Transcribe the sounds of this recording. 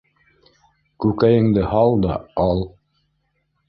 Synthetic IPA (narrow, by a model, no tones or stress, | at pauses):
kʉkæjɘ̆ŋd̪ɘhɑlˠd̪ɑɑlˠ